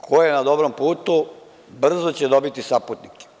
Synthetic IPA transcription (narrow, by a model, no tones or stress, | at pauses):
kʰojenad̪o̞bɾompuːt̪u | br̩zot͡ɕed̪o̞bit̪isaput̪nike̥